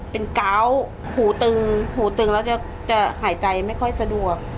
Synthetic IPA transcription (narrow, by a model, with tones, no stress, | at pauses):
pe˧nka˦˥w | huː˩˦t̪ɯ˧ŋhuː˨˩˦t̪ɯ˧ŋlɛː˦˥wt͡ɕa˧˨˩ | t͡ɕa˨˩haː˩˦jt͡ɕa˧jma˥˩jkʰɔ˥˩jsa˧du˨˩ək̚